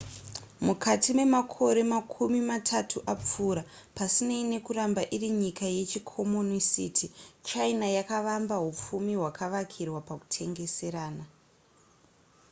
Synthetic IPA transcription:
mukʰatime̞makʰo̞ɾe̞makʰumimatʰatʰuʔap͡fuːɾa | pasineine̞kurambaʔiriɲikaje̞t͡ʃikʰo̞monisḭːtʰit͡ʃainajakaʋambaɦup͡fumiɦwakaʋakʰirwapaku̥tʰe̞ŋɡe̞se̞ɾaːna

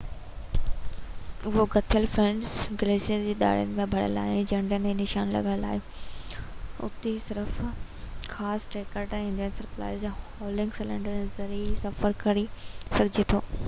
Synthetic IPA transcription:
ʊɦoɡɐt̪ʰijəlfɾẽɳɖzɡɪlesiəd͡ʑeːɗ̪a̰ːɽijə̰nɪ̆mẽbʱɐɽ̤ə̰la̰ːɦɪd͡ʑɐɳɖənẽnɪʃaːnlɐ̰ɡəɽəla̰ːɦiõ | ʊ̰t̪esɪɾəf | xaːsʈeːkəɾʈːɪ̃nd̪ijənsɐɾpla̰ːɪzhɔːlɪ̃ŋɡsɪlə̃ɳɖəɾzɐɾisɐfəɾkɐɾisɐɡʱd͡ʑet̪ʰo̰ː

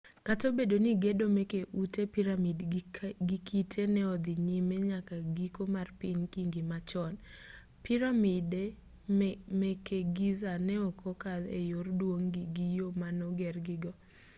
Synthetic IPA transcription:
katobedoniɡedomɛkeʔutepiɾamidɡikʰitʰenɛɔd̪ɪɲimeɲakaɡikomarpɪnkiŋɡimat͡ʃɔn | piɾamide | mɛkeɡizanɛɔkʰɔkad̪ḛjordwoŋɡɪɡijomanɔɡɛrɡɪɡɔ

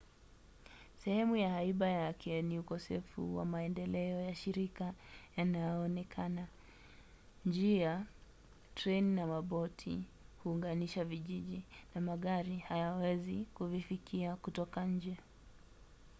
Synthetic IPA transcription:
sɛhɛmujahaiɓajakʰɛniukɔsɛfṵwa̰maɛndɛlɛɔjaʃiɾikajanajɔːnɛkʰana | nd͡ʒia | tɾɛninamaɓɔtʰḭhuːŋɡaniʃaviʄiʄinamaɠaɾihajawɛzikuvifikiakutɔkaɲ̩d͡ʒɛ

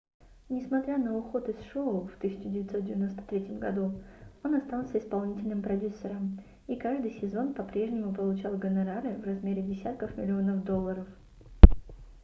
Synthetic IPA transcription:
nʲɪsmɐt̪ɾʲanəʊxo̞t̪ɨsʂoʊft̪ɨsʲɪt͡ɕɪdʲɪvʲɪt̪ʲso̞t̪̚dʲɪvʲɪno̞st̪ə̥t̪ɾʲetʲɪmɡɐd̪uo̞nɐst̪alˠsʲəɪspɐlˠnʲitʲɪlʲnɨmpɾɐdʲusːəɾəm | ikaʐd̪ɨjsʲɪzo̞npɐpɾʲe̞ʐnʲɪmʊpəlˠʊt͡ɕalˠɡənɐɾaɾɨvrɐzmʲeɾʲɪdʲɪsʲat̪kəfmʲɪlʲɪo̞nəfd̪o̞lˠːəɾəf

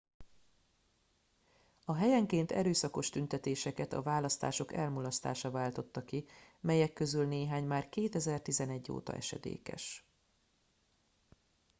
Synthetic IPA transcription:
ɒɦɛjɛŋkeːnt̪ɛ̰ɾøːsɒko̞ʃt̪ynt̪ɛt̪eːʃɛkɛt̪ɒ̰vaːlɒst̪a̰ːʃo̞kɛlmulɒst̪a̰ːʃɒvaːlt̪o̞t̪ːɒkimɛjɛkːø̞zylneːɦaːɲmaːrkeːt̪ɛzɛrt̪izɛnɛɟːo̰ːt̪ɒ̰ʔɛ̰ʃɛ̰d̪ḛːkɛ̰ʃ

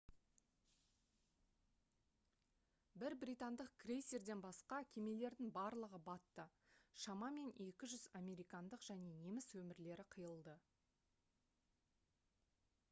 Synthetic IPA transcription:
bɪɾbɾijt̪and̪əqkrejseɾd̪e̞nbɑsqɑkʲʰe̞me̞le̞ɾd̪ɪŋbɑɾlˠəʁəbɑt̪ːə | ʃɑmɑme̞ne̞kʲɪʒʏzɑmʲe̞ɾijkɑnd̪əqʒ̥æne̞ne̞mɪswɵmɪɾle̞ɾɪqʰəjəlˠd̪ə

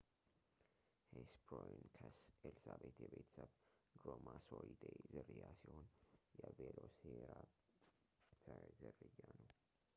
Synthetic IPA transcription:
hespʰojnkʰəsɛlsabet̪jɛbet̪ʰə̥səβɡɾomasoɾid̪ejzɨɾɨjasihonjɛveloseɾa | t̪ʰəɾzɨrːɨjːanəw

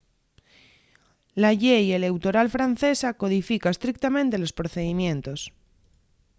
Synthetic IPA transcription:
laʝejele̞wt̪o̞ɾalfɾan̟θe̞sako̞ðifikae̞st̪ɾik̚t̪amẽnt̪e̞lo̞spɾoθe̞ðimjẽ̞nt̪o̞s

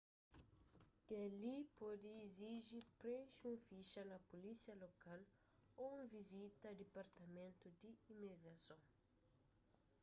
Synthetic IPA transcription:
d̪elipɔd̪ɪiziʒipɾẽʃũfiʃɐnɐpolisiɐlokal | oũvizit̪ɐd̪epaɾt̪ɐmẽnt̪ʊd̪ɪimiɡɾɐsõw̃

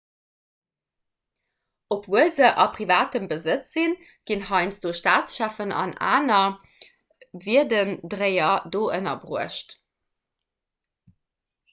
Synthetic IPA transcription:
opvuəlzəʔɑpʁivaːtəmbəzət͡szin | ɡ̥inhɑɪnt͡sd̥oːʃtaːt͡sʃæːfənɑ̰na̰ːnɐ | viədəndʁəɪɐdoːʔənɐbʁuəʃt

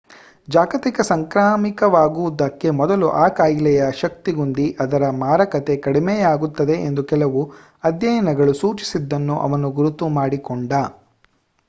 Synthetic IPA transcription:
d͡ʒaːɡɐt̪ikɐsɐŋkɾaːmikɐʋaːɡuʋd̪ɐkːe̞mɔd̪ɐluʔaːkaːjilɛjɐʃɐk̚t̪iɡund̪iʔɐd̪ɐɾɐmaːɾɐkɐt̪e̞kɐɽimejaːɡut̪ːɐd̪e̞ʔend̪ukɛlɐʋu | ɐd̪jɐjɐnɐɡɐɭusuːt͡ʃi̥sid̪ːɐnːuʔɐ̰ʋɐnuɡuɾut̪ːumaːɽikɔɳɖɐ

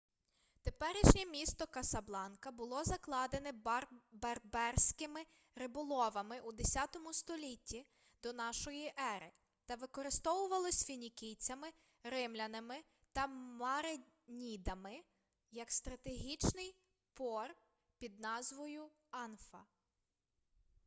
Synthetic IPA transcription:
t̪e̞pɛɾɪʃnʲɛmʲist̪ɔkɐsɐblˠɑnkɐbʊlˠɔzɐklˠɑd̪enɛberbɛrsʲkɪmɪ | ɾɪbʊlˠɔʋɐmɪʔud̪esʲɑt̪ɔmʊst̪ɔlʲitʲːi | d̪ɔnɑʃɔjiʔɛɾɪ | t̪ɐʋɪkɔɾɪst̪ɔʋʊʋɐlˠɔsʲfʲinʲikʲijt͡sʲɐmɪ | ɾɪmlʲɐnɐmɪ | t̪ɐmɐɾe | nʲid̪ɐmɪ | jɐkst̪ɾɐt̪eɦʲit͡ʃnɪj | pɔr | pʲid̪̚nɑzʋɔjʊ | ɑnfɐ

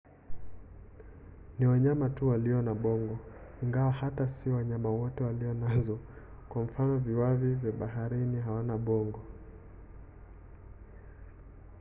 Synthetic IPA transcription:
niwaɲamatuwaliɔnaɓɔŋɡɔiŋɡawahatasiwaɲamawɔtɛwaliɔnazɔ | kwam̩fanɔviwavivjaɓaɦaɾiniɦawanaɓɔŋɡɔ

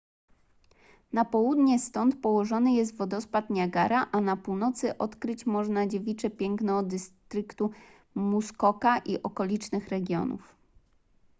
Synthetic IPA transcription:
napɔwud̪ɲɛst̪ɔnt̪pɔwɔʐɔnɘjɛst̪vɔd̪ɔspat̪ɲaɡaɾaʔanapuwnɔt̪sɘʔɔt̪kɾɘt͡ɕmɔʐnad͡ʑevʲit͡ʂɛpʲjɛŋknɛd̪ɘst̪ɾɘkt̪u | muskɔkaʔiʔɔkɔlʲit͡ʂnɘxɾɛɡʲjɔ̰nṵf

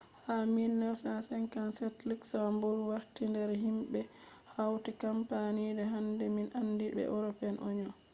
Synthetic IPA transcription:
haminːɛwsasɛnkansɛtliksambɔlwaɾtindɛɾɦimɓɛ | hawtikampanidɛɦandɛminʔandibɛ̰ʔɔ̰ɾɔpɛnʔɔ̰ɲɔ

